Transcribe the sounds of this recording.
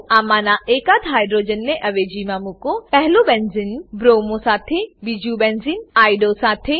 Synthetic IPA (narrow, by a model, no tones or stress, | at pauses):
aːmaːnaʔeːkad̪ɦaːjɖɾoːd͡ʒənːẽʔɐʋed͡ʒimãmũkopɛɦlobɛnzinbɾoːmõsaːt̪ʰebid͡ʒubɛnzinaːjɖosaːt̪ʰe